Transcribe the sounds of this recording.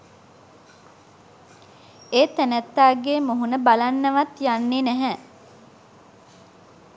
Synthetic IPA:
eːt̪ænæt̪ːaːɡemuɦunəbalanːəʋat̪janːenæɦɛ

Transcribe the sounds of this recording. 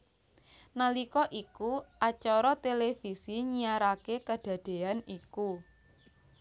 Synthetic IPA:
nalikɔʔikuʔat͡ʃɔɾɔt̪elefisiɲijaɾakekəɖ̪̥ä̤d̪̥e̤aniku

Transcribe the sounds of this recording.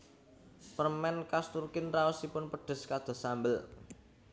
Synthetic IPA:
pərmɛnkast̪urkɪnraɔsipʊnpəɖ̥ə̤skad̪̥ɔ̤sambəl

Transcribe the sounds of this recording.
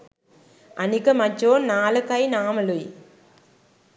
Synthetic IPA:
ʔɐnikːɐmɐt͡ʃːoːnaːlɐkːɐjnaːmɐluj

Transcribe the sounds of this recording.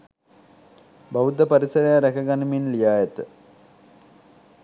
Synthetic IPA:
bɐʋud̪ɐpɐɾisɐɾɐjaɾekʰɐɡɐnɐminlijaːjɐt̪ɨ

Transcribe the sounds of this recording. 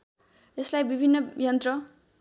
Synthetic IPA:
eslajbibʱinːʌjʌnt̪rʌ

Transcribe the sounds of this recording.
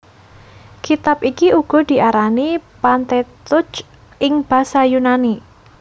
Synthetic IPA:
kit̪ap̚ikiuɡ̥ɔ̤d̪̥i̤ʔaɾanipant̪ɛt̪ʊt͡ʃ | ʔɪŋb̥a̤sajunani

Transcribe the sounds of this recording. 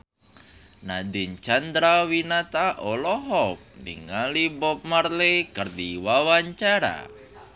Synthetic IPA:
nadiɲt͡ʃand̪ɾawinat̪aʔɔlɔɦɔp̚mḭŋalibɔp̚marlekərd̪iwawaɲt͡ʃaɾa̰

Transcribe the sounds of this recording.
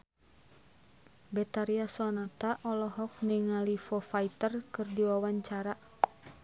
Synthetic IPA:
bɛt̪aɾiasɔnat̪aʔɔlɔɦɔk̚niŋalifɔfait̪ərkɨrdiwawaɲt͡ʃaɾa

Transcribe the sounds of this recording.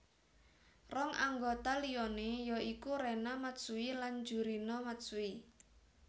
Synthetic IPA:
rɔŋʔa̰ŋɡot̪aliɔnejɔikuɾɛnamat̪suiland͡ʒuɾinɔmat̪sui

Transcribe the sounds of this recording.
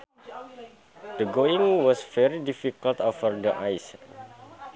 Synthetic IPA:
d̥əɡoĩŋwɔsfɛɾidifikəlt̪ɔfərdəʔajs

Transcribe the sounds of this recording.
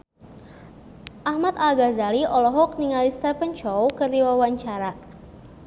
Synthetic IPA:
ʔahmat̪aɡazaliʔɔlɔɦɔk̚niŋalist̪ɛpənt͡ʃɔwkərdiwawaɲt͡ʃaɾa

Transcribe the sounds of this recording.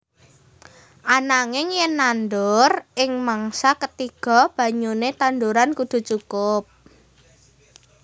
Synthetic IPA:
ʔanaŋɪŋjənːanɖ̪ʊrʔɪŋmaŋsakət̪iɡ̥ɔ̤b̥ä̤ɲunet̪and̪uɾankud̪̥ṳt͡ʃukʊp̚

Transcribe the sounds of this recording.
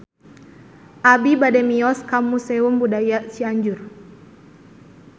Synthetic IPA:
ʔabibadɛmiɔskamusɛumbudajasiaɲd͡ʒur

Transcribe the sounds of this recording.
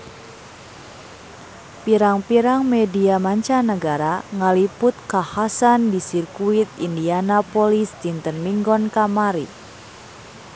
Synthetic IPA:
piɾaŋpiɾaŋmediamaɲt͡ʃanəɡaɾaŋalipʊt̪̚kahasandisirkuit̪̚indianapɔlist̪int̪ənmiŋɡɔnkamaɾi

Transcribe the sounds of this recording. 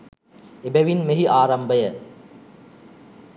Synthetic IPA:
ebæʋinmeɦiʔaːɾambəjə

